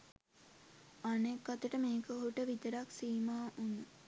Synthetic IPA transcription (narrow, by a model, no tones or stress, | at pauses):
anekːat̪əʈəmeːkəoɦuʈəʋit̪əɾaksiːmaːʔunu